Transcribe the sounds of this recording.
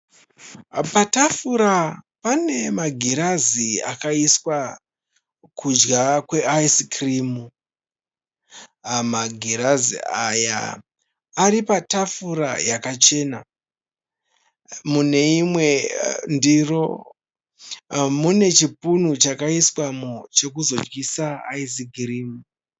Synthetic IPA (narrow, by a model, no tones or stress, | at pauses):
patafuɾapane̞maɡʱeɾaziakaiswa | kʰud͡ʒɡakwe̞aiskrimu | maɡʱeɾazḭaja̰ː | ɾipatafuɾa̰jakat͡ʃe̞ːna | mune̞imwe̞ndiro̞ | mune̞t͡ʃipunut͡ʃakaiswamot͡ʃe̞kuzo̞d͡ʒɡisaːis̬ikriːmu